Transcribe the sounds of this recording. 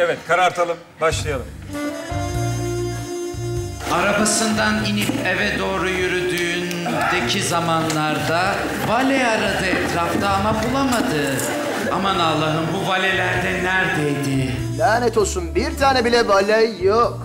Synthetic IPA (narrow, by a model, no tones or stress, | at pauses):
evɛt̪kʰaɾaɾt̪ʰalˠɯm | baʃlˠajalˠɯm | aɾabasɯnd̪aninipevɛd̪o̞ːɾujyɾyd̪yːnd̪ecʰizamanlˠaɾd̪a | valʲɛaɾad̪ɯɛt̪ʰɾaft̪ʰaːmapulˠamad̪ɯ | a̰manalˠːaɦɯmbuvalʲelʲæɾd̪ɛnæɾd̪ejd̪ɪ | lʲænɛt̪ʰosunbiɾt̪ʰaːnɛbilʲɛvalʲajːok